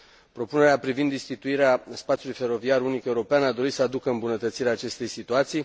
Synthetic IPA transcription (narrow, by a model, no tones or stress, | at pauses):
pɾo̞pune̞ɾeapɾivind̪ist̪it̪uiɾeaspat̪siulujfe̞ɾo̞viarunikeuɾo̞peanad̪o̞ɾit̪səad̪ukəɨmbunət̪ət̪siɾeaːt͡ʃe̞st̪e̞jsit̪uat̪sij